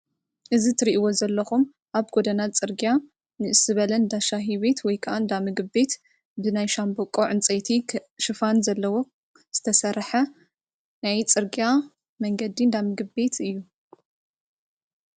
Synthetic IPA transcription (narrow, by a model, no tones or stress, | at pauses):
ʔɨzit̪ʰɨɾiʔiwo̞zɐlːɐxum | ʔaβɡod̪ɐnat̪t͡sʼɨɾɡja | nɨʔɨsɨβɐlɐnd̪aʃaɦiβe̞t̪ʰwɔjkʰɐʔand̪amɨɡɨbe̞t̪ | bɨnajʃambokʼoʕɨnt͡sʼet̪ʰiʃɨfanzɐlːɐwo̞ | z̥ɨt̪ʰɐsɐɾħɐ | najt͡sʼɨɾɡia | mɐŋɡɐd̪ind̪amɨɡɨbe̞t̪ʰɨjːu